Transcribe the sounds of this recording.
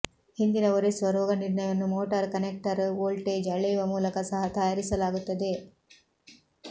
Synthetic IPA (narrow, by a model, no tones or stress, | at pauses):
hind̪inɐʋoɾesʋɐɾʋɐɡɐniɾɳɐjɐnːumoːʈɐɾkɐnek̚ʈɐɾoːlʈed͡ʒɐɭejʋɐmuːlɐkɐsɐɦɐt̪ɐjaːɾisɐlaːɡut̪ːɐd̪e̞